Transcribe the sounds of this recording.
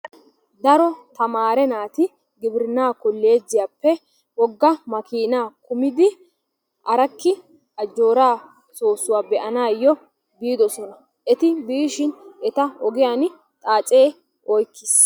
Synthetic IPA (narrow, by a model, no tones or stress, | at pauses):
d̪ɐɾɔt̪ɐmaːɾɛnaːt̪ɪ | ɡɪbɪɾɪnaːkʊlːeːzːɪjaːpːɛ | wɔɡːɐmɐkiːnaːkʊmɪd̪ɪ | ʔɐɾɐkːɪ | ɐd͡ʒːo̞ːɾaː | soːsːʊwaːbɛʔɐnaːjːɔ | biːd̪ɔsɔnɐ | ʔɛt̪ɪbiːʃɪnɛt̪ɐɔɡɪjan | t̪ʼaːt͡sʼeː | ʔɔjkːɪs